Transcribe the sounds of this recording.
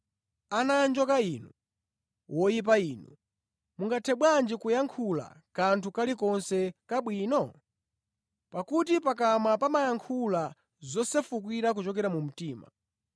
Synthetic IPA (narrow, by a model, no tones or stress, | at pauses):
anand͡ʒɔkainu | wʔɔjip̬aiːnṵ | muŋɡatʰɛɓwand͡ʒikujaŋkʰula̰ | kantʰukalikɔnsɛkaɓwiːnɔ | pakutipak̬amapamajaŋkʰula | zɔsɛfuk̬wiɾak̬ut͡ʃɔkɛɾamum̩tiːma̰